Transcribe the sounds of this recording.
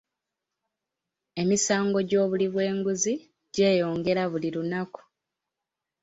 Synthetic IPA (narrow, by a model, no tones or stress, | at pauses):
e̞misaːŋɡo̞ɟo̞ːβuliβwe̞ːŋɡuzi | ɟe̞ːjo̞ːŋɡe̞ɾaβuliɾunaku̥